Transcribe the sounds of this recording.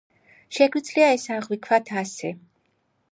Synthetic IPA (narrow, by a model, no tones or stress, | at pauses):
ʃɛɡwid̪zliaɛsaʁwikʰvwat̪ʰasɛ